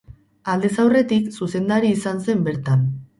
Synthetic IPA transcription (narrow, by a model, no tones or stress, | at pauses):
ald̪esawre̞t̪iksuse̞nd̪aɾiːsanse̞mbe̞ɾt̪an